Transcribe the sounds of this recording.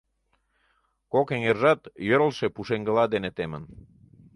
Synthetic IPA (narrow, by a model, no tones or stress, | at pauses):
kokeŋerʒɑt̪jøɾəlʃepuʃeŋɡəlɑd̪enet̪emə̰n